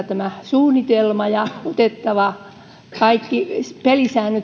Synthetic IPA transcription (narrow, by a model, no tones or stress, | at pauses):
t̪æmæsuːnit̪elmɑjɑot̪et̪ːɑʋɑ | kɑikːipelisæːnøt